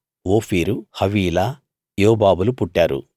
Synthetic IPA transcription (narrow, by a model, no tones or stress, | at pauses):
oːpʰiːɾuhɐʋiːla | joːbaːbulupuʈːaːɾṵ